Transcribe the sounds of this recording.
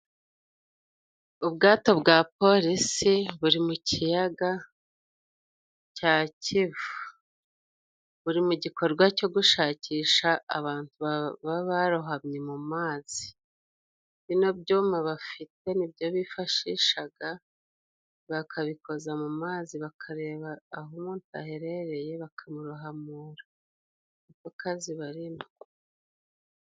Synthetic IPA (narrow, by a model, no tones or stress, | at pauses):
ubɡaːto̞bɡaːpo̞ɾisiβuɾimucʰijaɡa | caːcivu | βuɾimuɟiko̞ɾɡwaco̞ɡuʃaːciːʃaːβaːntuββaβaɾuɦamɲemumaːz̥i | βino̞bjoːmaβafite̞nibjo̞βifaʃiːʃaɡa | βakʰaβikʰo̞zamumaːziβakʰaɾe̞ːβaːɦomuːnta̰heɾeɾe̞je̞βakʰamuɾuɦamuːɾa | nukokaziβaɾimu